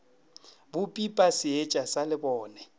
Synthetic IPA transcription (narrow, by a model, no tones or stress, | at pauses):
bʊpʼipʼasɪet͡ʃʼasalɪbɔːnɛ